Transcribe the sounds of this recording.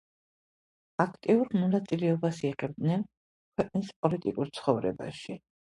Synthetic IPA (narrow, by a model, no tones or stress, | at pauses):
akʰt̪ʼiuɾmɔnat̪sʼilɛɔbasiʁɛb̚d̪nɛn | kʰwɛqʼnispʼɔlit̪ʼikʼuɾt̪sʰχɔvɾɛ̰ba̰ʃi